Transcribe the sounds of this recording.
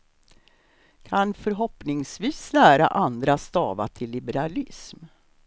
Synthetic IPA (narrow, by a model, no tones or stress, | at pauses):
kʰanfœɾɦɔpnɪŋsviːslæːɾa̰ʔand̪ɾast̪ɑ̰ːva̰ʈʰɪlːɪbɛɾalɪsm